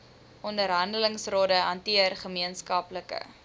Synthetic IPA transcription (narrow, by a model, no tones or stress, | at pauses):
ʔɔndəɾɦɐndələŋsroːdəɦɐntiərχəmiənskɐpləkə̰